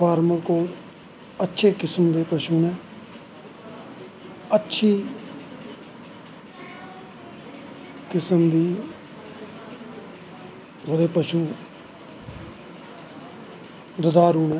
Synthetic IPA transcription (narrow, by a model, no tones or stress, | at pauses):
pʰaːɾməɾkoːl | ətːʃʰeːkɪsəmd̪eːpəʃuːnɛː | ətːʃʰiː | kɪsəmd̪iː | oːd̪eːpəʃuː | d̪əd̪aːɾuːnɛː